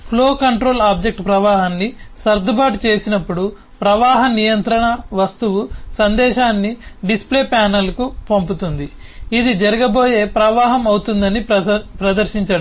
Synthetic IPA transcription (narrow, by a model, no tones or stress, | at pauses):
pʰlo̞ːkɐɳʈɾo̞ːlaːb̚d͡ʒe̞k̚ʈpɾɐʋaːɦɐnːisɐɾd̪ʱɐbʱaːʈt͡ʃe̞ːsinɐpːuɽu | pɾɐʋaːɦɐnijɐnt̪ɾɐɳɐʋɐst̪uʋusɐnd̪ɛːʃaːnːiɖispleːpaːnɐlkupomput̪und̪iid̪id͡ʒɐɾɐɡɐbo̞ːje̞ːpɾɐʋaːɦɐmɐwut̪und̪ɐnipɾɐd̪ɐɾʃiɲt͡ʃɐɽu